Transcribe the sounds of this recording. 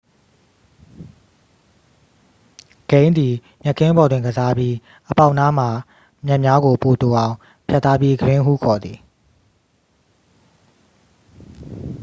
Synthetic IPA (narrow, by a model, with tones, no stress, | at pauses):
ɡ̥ẽ˦ɪ̃nd̪i˨ | mɛ˦ʔkʰːɪ̃˦bɔ˨dwɪ̃˨ŋɡəza˦bji˦ | ʔəpã˦ʊʔna˦m̥a˨ | mjɛ˦ʔmja˦ɡo˨po˨to˨ʔã˨ʊ̃ | pʰja˦t̪ːa˦pji˦ɡəɾɪ̃˦ɦṵ˦˨kʰɔ˨d̪ði˨